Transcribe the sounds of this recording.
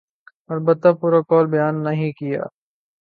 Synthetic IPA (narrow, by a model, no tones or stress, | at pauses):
ɐlbət̪ːapuːɾakɔːlbɐjaːnːɐɦĩkɪja̰ː